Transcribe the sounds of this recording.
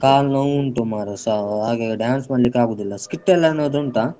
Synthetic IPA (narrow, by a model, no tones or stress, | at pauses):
kaːlnɐwuɳʈumaːɾusaɦaːɡeɖjaːnsmaːɖlikːaːɡuːd̪ilːɐskiʈːɛlːɐɐnːoːd̪uɳʈaː